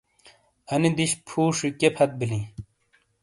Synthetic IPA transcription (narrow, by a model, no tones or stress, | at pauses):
ɐnid̪iɕpʰuːʂikepʰɐt̪̚bilĩ